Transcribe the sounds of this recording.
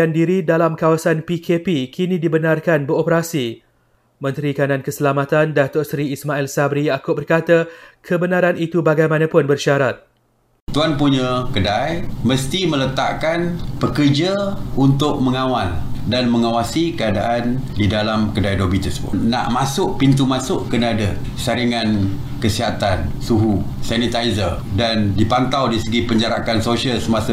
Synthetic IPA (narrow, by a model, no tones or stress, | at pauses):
andiɾidalamkawasanpikʰepikinĩdibənarkanbəɾopəɾasi | mə̃nt̪ɾikanankəsəlamat̪andat̪ʊʔsɾiːsmaɪlsabɾijakʊʔ̚bərkat̪akʰəbənaɾanit̪ubaɡajmãnãpʊnbərʃaɾat̪̚ | t̪uanpuɲəkədajmə̃st̪imə̃lət̪aʔkanpəkərd͡ʒaunt̪ʊʔ̚mə̃ŋãwaldanmə̃ŋawasikəadaʔandidalamkədajdobit̪ərsəbʊ̰na̰ʔmasʊʔpint̪̬umasʊʔkənada | saɾiŋan | kəsiɦat̪ansuɦusanit̪aizər | dandipant̪awdiisəɡipəɲd͡ʒaɾa̰kansoʃiəlsəmãsə